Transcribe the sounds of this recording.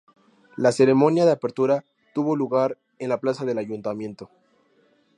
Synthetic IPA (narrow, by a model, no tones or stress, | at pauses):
lase̞ɾe̞mo̞njaðeapeɾt̪uɾa | t̪uβo̞luɣaɾ | enlaplasaðe̞laʝunt̪amjẽ̞nt̪o̞